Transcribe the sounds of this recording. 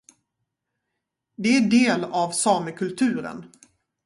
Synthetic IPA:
d̪ɛæɖeːlɑvsɑːməkʰɵlt̪ʰʉ̟ːɾə̰n

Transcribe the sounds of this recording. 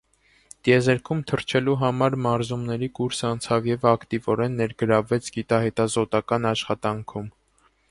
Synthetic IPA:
t̪jɛzɛɾkʰumt̪ʰəɾt͡ʃʰɛluɦɑmɑɾmɑɾzumnɛɾikuɾsɑnt͡sʰɑvjɛvɑkt̪ivɔɾɛnːɛɾɡəɾɑvɛt͡sʰɡit̪ɑɦɛt̪ɑzɔt̪ɑkɑnɑʃχɑt̪ɑŋkʰum

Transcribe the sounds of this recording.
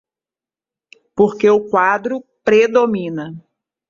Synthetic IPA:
poɾkeʊkwad̪ɾʊpɾed̪omĩnɐ

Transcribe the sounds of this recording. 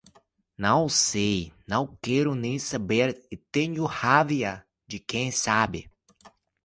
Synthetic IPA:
nɐ̃w̃sejnɐ̃w̃kɛɾʊnẽj̃sabeɾɪt̪ẽɲʊhaviɐ | d͡ʒɪkẽj̃sabɪ

